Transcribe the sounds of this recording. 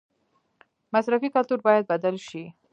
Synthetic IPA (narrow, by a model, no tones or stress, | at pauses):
masɾafikalt̪uɾbɑjad̪̚bad̪əlʃi